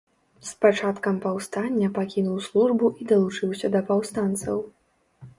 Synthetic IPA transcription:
spat͡ʂat̪kɐmpawst̪anʲːɐpakʲinuwslˠuʐbuʔid̪ɐlˠut͡ʂɨwsʲɐd̪ɐpawst̪ant̪sɐ̰w

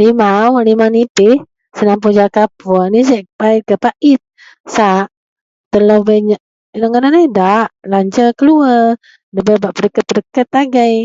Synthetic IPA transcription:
limawaʔlimanipɪh | sənaŋp̬ud͡ʒakapɔnis̬ɛʔpait̪̚kəpaʔɪt̪̚ | saʔ | t̪əlobaɲaʔ | ləŋənanajdaʔlaɲd͡ʒəkəluə | dəbəbaʔpəɾəkət̪̚pəɾəkət̪aɡaj

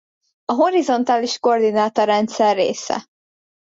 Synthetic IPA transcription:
ɒɦo̞ɾizo̞nt̪aːliʃko̞rd̪inaːt̪oɾɛnt̪sɛrːḛːsɛ̰

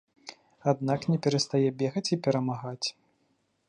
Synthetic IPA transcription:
ad̪naknʲɛpʲɛɾɐst̪ajɛbʲɛɣɐt͡sʲipʲɛɾɐmaɣat͡sʲ

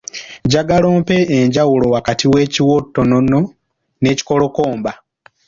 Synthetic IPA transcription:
ɟaɡalo̞ːmpe̞ːɲɟawulo̞wakatʰiwe̞ːciwotːonono | ne̞ːci̥ko̞lo̞ko̞ːmba

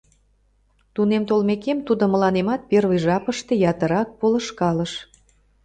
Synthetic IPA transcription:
t̪unemt̪olmekemt̪ud̪omə̆lɑnemɑt̪̚pervəjʒɑpəʃt̪e̽jɑt̪əɾɑk̚polə̆ʃkɑləʃ

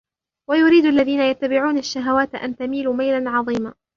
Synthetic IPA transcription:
wajʊɾiːd̪ʔalːaðiːnajat̪ːabɪʕuːnaʃːaɦawaːt̪ʔa̰nt̪amiːluːmajlanʕɑðˤiːmaː

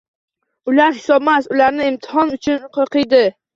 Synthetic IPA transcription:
ʊlaɾhɪ̥sɒb̚masʊlaɾnɪɪmt̪ʰɪɦɒnʊt͡ʃʰʊnqʰɨqɨjd̪ɪ

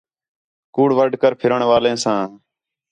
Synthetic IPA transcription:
kuːɽʋəɖʱkəɾpʰɪɾəɳʋaːlẽːsãː

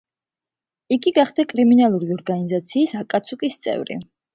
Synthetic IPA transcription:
iɡiɡaχd̪akʼɾiminalˠuɾiɔɾɡanizat̪sʰiːsakʼat̪sʰukʼist̪sʼɛ̰vɾḭ

